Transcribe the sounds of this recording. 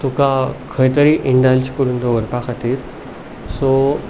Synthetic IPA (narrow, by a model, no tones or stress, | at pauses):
t̪ukakʰəjt̪əɾiʔɪ̃ɳɖald͡ʑkʊɾũːnd̪oɐɾpaxət̪iːɾ | soː